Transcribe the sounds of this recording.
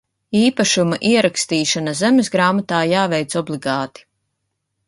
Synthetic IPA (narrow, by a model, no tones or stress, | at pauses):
iːpaʃumaʔiɛɾakst̪iːʃanazemesɡɾaːmat̪aːjaːvɛjt̪sɔblˠiɡɑːt̪i̥